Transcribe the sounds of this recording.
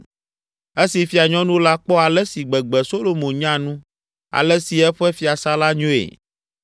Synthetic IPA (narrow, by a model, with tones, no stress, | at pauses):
ɛ˦si˨fi˨a˨ɲɔ̃˦nũ˦la˦k͡pɔ˦a˨lɛ˦si˨ɡ͡bɛ˨ɡ͡bɛ˨so˦lo˨mõ˨ɲã˦nũ˦ | a̰˨lɛ˦si˨ɛ˦ɸɛ˦fi˨a˨sa˦la˦ɲõ˦ḛ˨